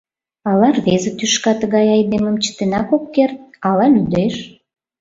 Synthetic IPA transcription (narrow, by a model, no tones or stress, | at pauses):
ɑlɑrβezə̆t̪yʃkɑt̪əɣɑjɑjd̪eməmt͡ɕə̥t̪enɑkokːert̪̚ɑlɑlyd̪eʃ